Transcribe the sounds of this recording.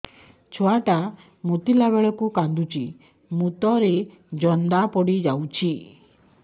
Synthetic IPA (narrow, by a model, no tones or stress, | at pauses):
t͡ʃʰaʈa | mut̪ilaβeɭɔkukand̪ut͡ʃʰi | mut̪ɔɾe | d͡ʒɔnd̪apɔɽid͡ʒawt͡ʃʰi